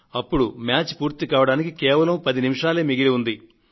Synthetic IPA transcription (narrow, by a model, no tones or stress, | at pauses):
ɐpːuɽumjaːt͡ʃpuːɾt̪ikaːʋɐɽaːnikikɛːʋɐlɐmpɐd̪inimiʂaːleːmiɡiliund̪i